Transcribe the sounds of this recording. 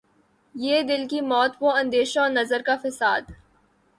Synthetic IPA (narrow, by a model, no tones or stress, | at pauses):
jeːd̪ɪlkimɔːt̪ʋoɐ̃nd̪eːʃɔːɾnɐzəɾkafɪsaːd̪